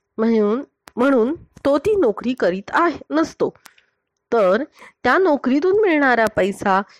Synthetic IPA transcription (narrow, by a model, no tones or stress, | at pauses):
m̤əɽ̃uːn | m̤əɽ̃uːnt̪ot̪iːnokɾiːkəɾiːt̪aɦenəst̪o | t̪əɾt̪janokɾit̪̬uːnmiɭɳaɾapəjsa